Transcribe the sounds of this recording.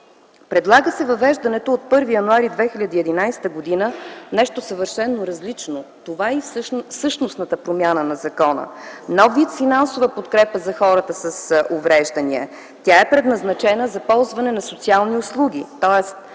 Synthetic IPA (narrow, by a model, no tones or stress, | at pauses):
pɾɛd̪lˠaɡəsɛvɐvɛʒd̪ɐnɛt̪oːt̪̚pɤɾvijɐnuaɾid̪vɛxiʎʲɐd̪iɛd̪inajsɛ̥t̪əɡod̪inənɛʃt̪osəvəɾʃɛnːoɾɐzlit͡ʃnot̪ovaifsɤʃnosnət̪əpɾomʲjanənɐzɐkɔnə̰nɔviət̪finansovəpot̪kɾɛpəzɐxɔɾət̪əsəsʔovɾɛʒd̪ɐniɛ | t̪ʲaɛpɾɛd̪nɐznɐt͡ʃɛnəzɐpɔlˠzvɐnɛnɐsot̪sialˠniʊslˠuɡʲit̪ɔɛst̪̚